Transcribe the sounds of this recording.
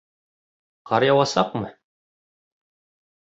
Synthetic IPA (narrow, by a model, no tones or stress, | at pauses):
qɑɾjɑwɑsɑqmɤ